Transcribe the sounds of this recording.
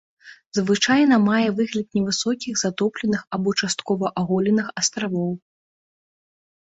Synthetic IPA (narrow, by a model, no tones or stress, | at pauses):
zvɨt͡ʂajn̪ɐmajɛvɨɣlʲɐt̪̚nʲɛvɨsɔkʲiɣzat̪ɔplʲɛnɨxɐbɔt͡ʂast̪̚kɔvɐʔaɣɔlʲɛnɨxɐst̪ɾavɔw